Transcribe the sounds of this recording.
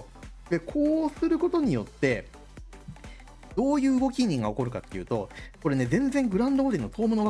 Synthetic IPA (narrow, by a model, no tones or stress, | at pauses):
ɾekʰo̞ːsɨɾɯ̟ko̞t̪o̞ɲ̟ijo̞t̪ːe̞ | d̪̥o̞ːjɯ̟ːɯɡo̞kʲiɲ̟ːĩŋɡao̞ko̞ɾɯ̟kat̪ːe̞jiɯ̟ːt̪o̞ko̞ɾe̞ne̞zẽnd͡zẽ̞ŋɡɯ̟ɾãnd̪oːd̪enːo̞t̪ʰo̞ːmonoβa